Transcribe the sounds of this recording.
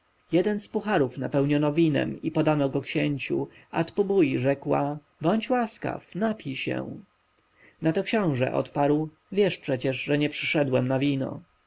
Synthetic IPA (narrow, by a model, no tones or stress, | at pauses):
jɛd̪ɛnspuxaɾufnapɛwɲɔnɔvʲinɛ̰mipɔd̪anɔɡɔkɕɛɲt͡ɕṵ | a̰t̪pubujʐɛkwa | bɔɲt͡ɕwaska̰fnapʲiɕɛ̰w̃ | nat̪ɔkɕɔ̃w̃ʐɛ̰ʔɔ̰t̪paɾw | vʲjɛʂpʂɛt͡ɕɛʐʐɛɲɛpʂɘ̥ʂɛd̪wɛmnavʲinɔ̰